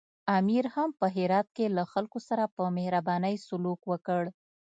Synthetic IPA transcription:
amiɾhampəɦɪɾɑt̪̚kelaxalkosaɾapəmehɾabɑnəjsʊlukwəkəɽ

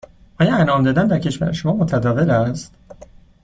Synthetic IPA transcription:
ʔɒːjɒænɒːmd̪ɒːd̪ænd̪æɾcʰe̞ʃvæ̰ɾeʃomɒːmot̪ʰæd̪ɒːve̞læst̪

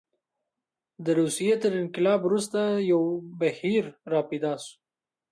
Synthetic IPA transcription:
d̪əɾusijet̪əɾɪnkɪlɑbɾust̪ajawbahiɾːɑped̪ɑsu̥

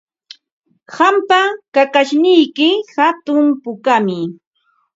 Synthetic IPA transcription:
hampakakaʃnɪjkɪhat̪ʊmpʊkamɪ

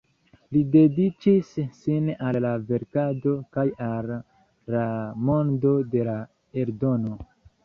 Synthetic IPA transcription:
lide̞dit͡ʃisːinalːave̞ɾkado̞kajalː | amo̞ndo̞de̞la | e̞ɾdo̞no̞

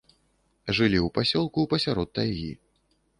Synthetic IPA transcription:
ʐɨlʲiupasʲɔlˠkuwpɐsʲaɾɔt̪̚ːajɣʲḭ

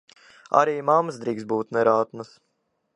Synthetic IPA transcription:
a̰ɾiːmamsd̪ɾiːksbuːt̪nɛɾaːt̪nəs

